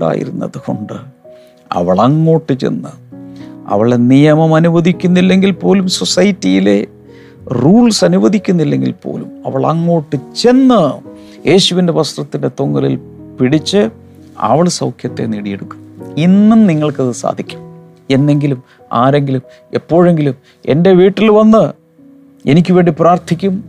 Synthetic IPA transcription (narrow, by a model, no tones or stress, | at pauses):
ɖa̰ːjḭɾunːɐ̰ðuɣo̞ɳɖɨ | ɐ̰ʋɐɭɐŋːo̞ːʈːɨt͡ɕe̞̰nːɨ | ɐ̰ʋɐɭenijɐmɐmɐnuʋɐd̪ʱikʲːunːilːe̞ŋɡilpo̞ːlumso̞sɐjitːijile̞̰ | ruːɭsɐnuʋɐd̪ʱikʲːunːilːe̞ŋɡḭlpo̰ːlumɐ̰ʋɐɭɐ̰ŋːo̞ːʈːɨt͡ɕe̞nːɨ | jʔe̞ːɕuʋinde̞ʋɐst̪rɐt̪ːinde̞t̪o̞ŋːɐlḭlpiɽit͡ɕːɨ | ɐ̰ʋɐɭsɐwkʰjɐt̪ːe̞̰niɽijeɽukʲːuminːumniŋːɐɭkɐðɨsa̰ːd̪ʱikʲːu̥m | e̞nːe̞ŋɡilum | a̰ːɾe̞ŋɡilum | e̞pːo̞ːɻe̞ŋɡilum | e̞̰nde̞ʋiːʈːilʋɐnːɨ | e̞nik̬ʲːɨʋe̞ːɳɖipraːrt̪ʰikʲːum